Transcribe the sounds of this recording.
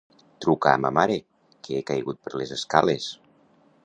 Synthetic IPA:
t̪ɾukaːməmaɾe | keekajɣut̪̚pəɾlezəska̰les

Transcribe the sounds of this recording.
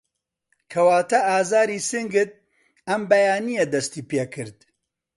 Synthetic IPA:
kʰɐwaːt̪ɐʔaːzaːɾisɨŋɡɨt̪̚ | ɐmbɐjaːnijɐd̪ɐst̪iːpeːkʰɨɾd̪

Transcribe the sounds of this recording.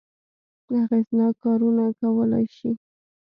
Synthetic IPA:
aɣeznɑkɑɾunakawəla̰jʃi

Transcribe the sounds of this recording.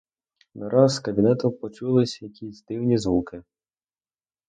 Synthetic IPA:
nɐɾɑzkɐbʲinɛt̪ʊpɔt͡ʃulˠɪsʲjɐkʲisʲd̪ɪwnʲizʋukɪ

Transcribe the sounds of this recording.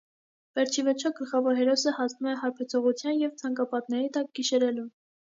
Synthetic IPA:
vɛɾt͡ʃʰivɛɾt͡ʃʰɔɡəlχɑvɔɾɦɛɾɔsəhɑsnumɛɦɑɾpʰɛt͡sʰɔʁut͡sʰjɑnjɛvt͡sʰɑŋkɑpɑt̪̚nɛɾit̪ɑk̚ɡiʃɛɾɛlum

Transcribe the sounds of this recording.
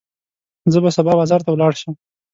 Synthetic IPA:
zəbasabɑbɑzɑɾt̪awlɑɽʃəm

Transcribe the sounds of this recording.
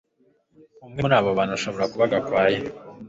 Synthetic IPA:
umŋenaːβoβaːnuʃo̞βo̞ɾakuβaɡakwaːje

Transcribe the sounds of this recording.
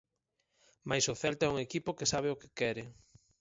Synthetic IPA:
majsʊθɛlt̪oɛuŋekipʊkesaβ̞eʊke̥kɛɾɪ

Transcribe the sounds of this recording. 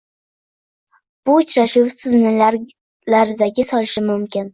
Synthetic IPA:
b̥ʊʊt͡ʃɾaʃʊwsɪznɪlaɾ | laɾɪd̪aɡʲɪsɒlɪʃɪmʊmkʲʰɪn

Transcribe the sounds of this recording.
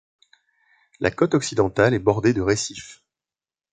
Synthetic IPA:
lʔa̰kɔt̪ɔksid̪ɑ̃t̪alɛbɔʁd̪ed̪əʁesif

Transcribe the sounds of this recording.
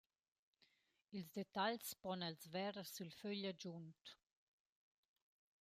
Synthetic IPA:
ilzd̪et̪aʎspɔnɛlzvɛɾsylføʎad͡ʒunt̪

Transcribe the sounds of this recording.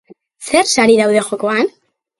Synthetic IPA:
se̞ɾsaɾiðawðe̞xo̞ko̞an

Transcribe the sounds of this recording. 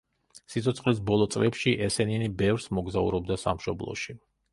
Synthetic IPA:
sit̪sʰɔt̪sʰχʼlis̬bɔlˠɔt̪sʼlɛpʃiʔɛsɛninibɛvɾsmɔɡzaṵɾɔb̚d̪asa̰mʃɔblˠɔ̰ʃi

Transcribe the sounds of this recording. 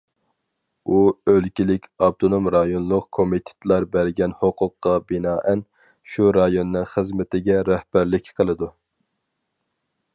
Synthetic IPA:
uølkʲilɪkʲɑb̚t̪ʰonomɾɑjonlˠʊqkʰomit̪ʰɪ̥t̪ʰlˠɑɾbæɾɡʲɛnhoqʰʊqːɑbɪnɑːʔɛn | ʃuɾɑjonːɨŋχəzmɪt̪ʰɪɡʲɛɾɛhbæɾlɪkʲqʰəlˠɨd̪u

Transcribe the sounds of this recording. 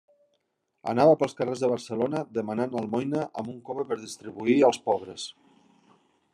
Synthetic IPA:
ə̰naβəpəlˠskərezðəβ̞əɾsəlonəðəmananəlˠmɔjnəʔəmbuŋkoβəpəɾðist̪ɾiβuiəlˠspɔβɾəs

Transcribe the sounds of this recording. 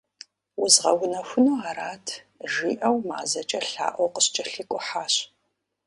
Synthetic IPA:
ʊzʁɐwʊnɐxʷʊnoːaːɾaːtʰ | ʒiːʔɐwma̰ːzɐt͡ʃʼɐɬa̰ːʔʷɔwqəɕt͡ʃʼɐɬɨkʷʼʊħaːɕ

